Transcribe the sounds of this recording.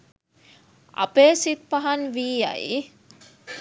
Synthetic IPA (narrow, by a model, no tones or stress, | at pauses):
ɐ̰peːsit̪̚pɐɦɐnʋiːɐ̰ḭ